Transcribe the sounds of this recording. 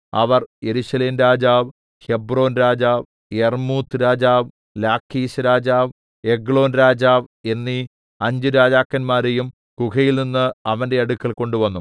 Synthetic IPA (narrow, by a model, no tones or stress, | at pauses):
ɐʋɐrje̞ɾusɐleːmɾaːd͡ʑaːʋ | he̞bro̞ːnɾaːd͡ʑaːʋ | ermuːt̪ʰːɾaːd͡ʑaːʋ | laːkʰːiːɕɐɾaːd͡ʑaːʋ | e̞ɡɭo̞ːnɾaːd͡ʑaːʋe̞nːi | ɐɲd͡ʑɨɾaːd͡ʑaːkːɐnmaːɾejum | kukɐjilninːɨɐʋɐnde̞ɐɽukːɐlko̞ɳɖuʋɐnːum